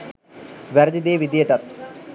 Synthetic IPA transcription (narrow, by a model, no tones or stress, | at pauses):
ʋæɾɐd̪id̪eːʋid̪ijəʈ̪ɐt̪̚